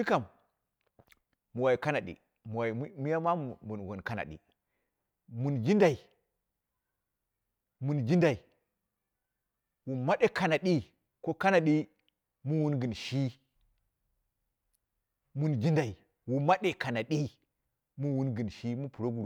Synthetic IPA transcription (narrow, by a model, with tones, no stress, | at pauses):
i˦ka˨m | u˨wa˨i˨ka˦na˨ɗḭ˨ | mu˨wa˨˦mu˦ja˦ma˦m˨bu˨nwo˨nka˦na̰˨ɗḭ˨ | mu˨nd͡ʒi˦nda˨i˨ | mu˨nd͡ʒi˦nda˨i˨ | wu˨ma˦ɗe˦ka˨na˨ɗi˦ | ko˦ka˦na˨ɗi˦ | mu˦wu˦nɡə˨nʃi˦ | mu˨nd͡ʒi˦nda˨i˨ | wu˨ma˦ɗe˨ka˨na˨ɗi˦ | mu˦wu˦nɡə˨nʃi˦mu˦pu˨ɾo˦ɡu˨ɾ